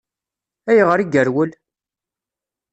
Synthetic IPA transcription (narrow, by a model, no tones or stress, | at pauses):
æjʁəɾiɡəɾwəl